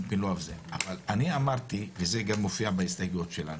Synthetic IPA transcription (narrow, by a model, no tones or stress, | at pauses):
mpinloavzeavalaniamaʁt̪ivezeɡamːofiabaist̪aɡuot̪ʃela̰nu